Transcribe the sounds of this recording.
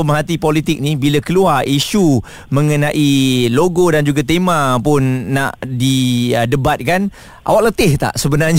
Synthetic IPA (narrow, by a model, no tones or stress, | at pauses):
əmaɦat̪ipolit̪ɪk̚nibilakəluariʃu | mə̃ŋənãʔiloɡodand͡ʒuɡat̪emãpʊnːa̰ʔdiədəbat̪̚kan | ʔa̰waʔ̚lət̪ɪht̪a̰ʔsəbənarɲ